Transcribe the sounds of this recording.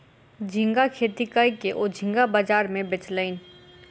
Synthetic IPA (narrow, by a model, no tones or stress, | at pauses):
d͡ʒʱɪ̃ŋɡakʰeːt̪ikaːikeʔoːd͡ʒʱɪ̃ŋɡabaːd͡ʒaːɾmẽbɪt͡ʃləɪn